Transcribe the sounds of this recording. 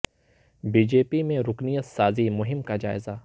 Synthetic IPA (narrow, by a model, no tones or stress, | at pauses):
biːd͡ʒeːpimẽɾʊknijət̪saːzimʊɦɪmkad͡ʒa̰ːɪza